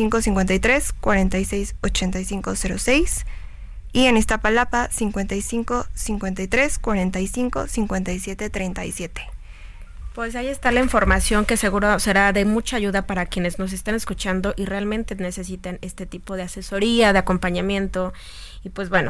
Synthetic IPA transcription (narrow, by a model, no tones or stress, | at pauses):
siŋko̞siŋkwe̞nt̪ajt̪ɾe̞skwaɾe̞nt̪ajse̞jso̞t͡ʃe̞nt̪ajsiŋko̞se̞ɾo̞se̞js | ienest̪apalapasiŋkwent̪ajsiŋko̞siŋkwe̞nt̪ajt̪ɾe̞skwaɾe̞nt̪ajsiŋko̞̰siŋkwe̞nt̪ajsje̞t̪et̪ɾejnt̪ajsje̞t̪e̥ | pwe̞s̬aie̞st̪alaiɱfo̞ɾmasjo̞ŋke̞se̞ɣuɾose̞ɾaðe̞mut͡ʃaːʝuðapaɾakjene̞znos̬e̞st̪ane̞skut͡ʃand̪o̞ʔirealmẽ̞nt̪ene̞se̞sit̪ane̞st̪e̞t̪ipo̞ð̞e̞ase̞so̞ɾiaðeako̞mpaɲãmjẽ̞nt̪o̞ | ipwezbwe̞no